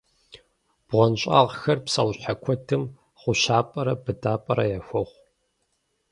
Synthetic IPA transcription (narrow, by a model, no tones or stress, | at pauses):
b̥ʁʷɔnɕʼa̰ʁxɐrpsɐwɕħakʷʰɔtʰɨm | χʷʊʃaːpʼɐɾɐbɨdʰʼaːpʼɐɾɐjaxʷɔʁʷ